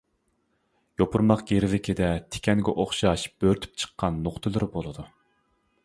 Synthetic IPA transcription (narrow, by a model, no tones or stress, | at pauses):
jopʰuɾmɑqɡ̥ʲeɾɪvɪkʲʰed̪ɛt̪ʰe̥kʲʰɛnɡʲɛʔoχʃɑʃb̥øɾt̪ʰy̥p̚t͡ʃʰə̥qʰːɑnːoχt̪ʰɨlˠɨɾbolˠɨd̪u